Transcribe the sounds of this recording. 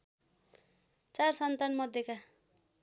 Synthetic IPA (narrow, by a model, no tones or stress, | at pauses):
t͡sarsʌnt̪anmʌd̪ʱjʌka